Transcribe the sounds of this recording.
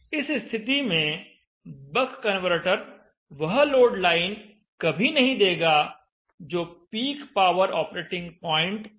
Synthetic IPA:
ɪsst̪ʰɪt̪imẽ | bɐkkːɐ̃nʋəɾʈəɾ | ʋɐɦloːɖlaːɪn | kɐbʱinɐɦĩd̪eːɡa | d͡ʒoːpiːkpaːʋəɾɔːpɾeːʈɪ̃ŋɡpɔ̃ːɪ̃ɳʈ

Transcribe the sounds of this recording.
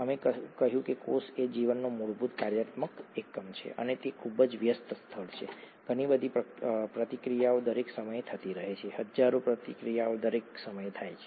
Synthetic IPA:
əmeəkəɦjũkekosed͡ʒiʋənːomuɭbʱut̪kaɾjat̪məkekːəmt͡ʃʰḛʔə̰net̪ekʰubəd͡ʒʋjəst̪əst̪ʰəɭt͡ʃʰḛ | ɡ̥ʱəɽ̃ibəd̪ʱipəpɾət̪ikɾijaod̪əɾeksəməjt̪ʰət̪iɾəɦet͡ʃʰehəd͡ʒaɾopɾət̪ikɾijaod̪əɾeksəməjt̪ʰajt͡ʃʰe̥

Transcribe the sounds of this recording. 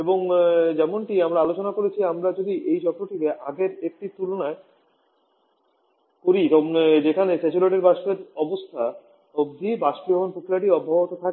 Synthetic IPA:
eboŋd͡ʑɛmoɳʈiamɾaalot͡ɕonakoɾet͡ɕʰiamɾad͡ʑod̪iʔejd͡ʑɔtːoʈit̪eʔaɡeɾek̚ʈit̪ulonae | koɾiod͡ʑekʰanesɛt͡ɕuleʈiɾbaʃpeɾɔbost̪ʰa | obd̪ʱibaʃʈiɛmonpukʰilaʈ̬iɔbʱːabot̪ot̪ʰake

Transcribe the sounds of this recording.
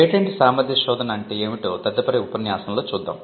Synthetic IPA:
eːʈɐɳʈisaːmɐɾd̪ʱjɐʃɔːd̪ʱɐnɐːɳʈe̞ːeːmiʈo̞ːt̪ɐd̪ːɐpɐɾiupɐnjaːsɐnlo̞ːt͡ʃuːd̪ːa̰ːmm

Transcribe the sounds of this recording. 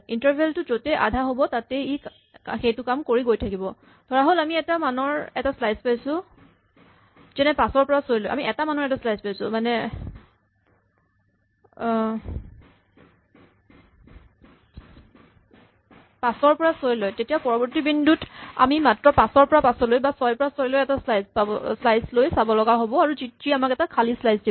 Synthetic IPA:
intaɹbʱeltʊzotɛʔa̰dʱaɦobɔtatei | xejtʊkamkoɹiɡojtʰakibɔ | dʰʱɔɹaɦolamiɛtamanɔɹɛtaslajspajsʊ | zɛnɛpasɔɹpɔɹasojlojʔa̰miʔɛtamanɔɹɛtaslajzpajsʊmanɛ | pasɔɹpɔɹasojlojtetijapɔɹɔbɔɹtibinduta̰mimatɹɔpasɔɹpɔɹapasɔlojbasɔjpɔɹasoɹlojɛtaslajzpaɔslajzlojsabɔlɔɡaɦobɔaɹuzitɹiamakɛtakʰalislajsdi

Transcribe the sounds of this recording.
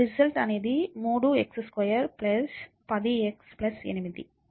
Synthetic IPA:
ɾisɐlʈɐned̪imuːɽuɛksskɐjɐɾplɐs | pɐðieksplɐsɛ̰nimid̪ḭ

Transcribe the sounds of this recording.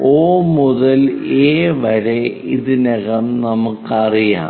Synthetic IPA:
oːmuðɐleːʋɐɻe | iðɨneɣɐmnɐmukːɐrija̰ː

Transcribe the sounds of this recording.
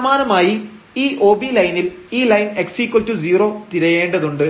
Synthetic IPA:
maːnɐmaːji | iːʔo̞ːbiːlɐjniliːlɐjneksikːɐltːud͡ʑiːro̞ːt̪iɾɐje̞ːɳɖɐðuɳɖɨ

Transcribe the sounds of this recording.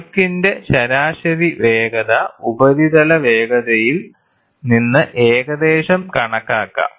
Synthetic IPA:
kːinde̞ɕɐɾaːɕɐɾiʋe̞ːɡɐðɐubɐðiðɐlɐʋe̞ːɡɐðɐjil | ninːɨʔeːɡɐd̪e̞ːʂɐmkɐɳɐkːaːkːɐ̰

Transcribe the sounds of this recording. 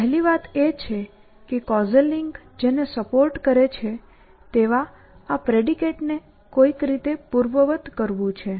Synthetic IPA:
əɦliʋat̪et͡ʃʰe | kekɔzəlːiŋɡ | d͡ʒenesəpoɾʈkəɾet͡ʃʰe | t̪eʋaː | pɾeɖikeʈne | koikɾit̪epuɾʋəʋət̪kəɾʋũt͡ʃʰe

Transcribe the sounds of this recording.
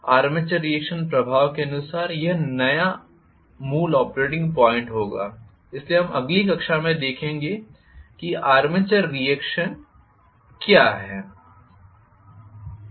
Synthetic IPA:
aːɾmɪt͡ʃəɾːijeːkʃənpɾɐbʱaːʋkeɐnʊsaːɾjɐɦnɐja | muːlɔːpɾeːʈ̬ɪ̃ŋɡpɔːɪ̃ɳʈɦoːɡa̰ː | ɪslieɦɐ̃mɐ̰ɡlikɐkʃamẽd̪eːkʰẽːŋɡe | kiaːɾmɪt͡ʃəɾːijeːkʃən | kjaːɦɛː

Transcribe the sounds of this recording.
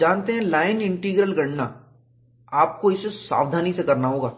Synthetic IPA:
d͡ʒaːnt̪eɦɛ̃laːɪnɪ̃ɳʈiːɡɾəlɡɐɽ̤na | aːp̚koɪsesa̰ːʋd̪ʱaːnisekɐɾnaɦoːɡaː

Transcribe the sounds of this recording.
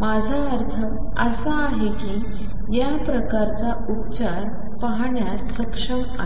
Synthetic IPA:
mad͡zʱaəɾt̪ʰə | əsaːɦekiː | japɾəkaɾt͡sa | utt͡ɕaɾ | paɦɳjasəkʂəma̰

